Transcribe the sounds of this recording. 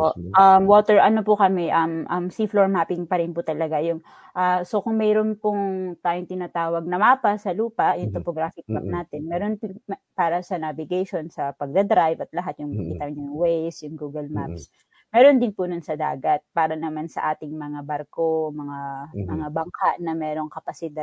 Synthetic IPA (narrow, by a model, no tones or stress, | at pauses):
poʔʔamwoːt̪ɛɹʔɐnopʊkɐmɛʔɐmʔɐmsifloɹmaːpɪŋpɐɾɪnpʊt̪ɐlɐɡajʊŋ | ʔaso̞kʊŋmɛːɾonpʊŋt̪aːjoŋt̪ɪnat̪aːwɐɡ̚nɐmaːpɐsɐluːpɐʔjʊŋt̪opoɡɾaːfɪk̚map̚naːt̪ɛnmɛːɾonppaːɾɐsɐnavɪɡajʃonsɐpɐɡ̚d̪ɐd̪ɾajvɐt̪̚lɐɦat̪jʊŋkit̪ɐɲʊŋwɛjsjʊŋɡuːɡɐlmaps | mɛːɾond̪ɪnpʊnʊnsɐd̪a̰ːɡɐt̪̚paːɾɐnɐmansɐ̰ʔaːt̪ɪŋmɐŋabɐɾkomɐŋamɐŋabɐŋkʰaʔnɐmɛːɾo̞ŋkɐpɐsɪd̪ad̪̚